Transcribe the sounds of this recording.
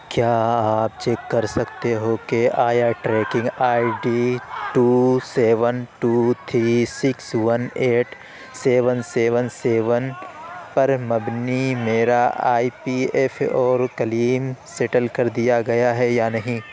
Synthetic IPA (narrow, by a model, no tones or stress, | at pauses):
kjaːaːp̚t͡ʃekːɐɾsɐkt̪eɦokeʔaːjaʈɾɛːkɪ̃ŋɡaːiɖiːʈuːseːʋənʈuːt̪ʰɾisɪkswɐneːʈ | seːʋənseːʋənseːʋənpɐɾmɐbnimeːɾaa̰ːipiɛːfɔːɾkɐliːmseːʈəlkɐɾd̪ijaɡɐjaɦɛjanɐɦĩː